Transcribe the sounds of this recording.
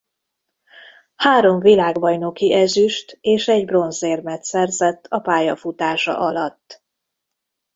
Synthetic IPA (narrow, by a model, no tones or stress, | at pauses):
haːɾo̞ɱvilaːɡbɒjno̞kiʔɛzyʃt̪eːʃɛɟbro̞nzeːrmɛt̪sɛrzɛt̪ːɒpaːjɒfut̪aːʃɒ̰ʔɒlɒt̪ː